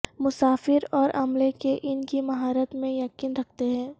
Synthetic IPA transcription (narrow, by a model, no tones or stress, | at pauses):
mʊsaːfɪɾɔːɾɐmlekeʔɪnkimɐɦaːɾət̪mẽjɐqiːnɾɐk̚ʰt̪eɦɛ̃ː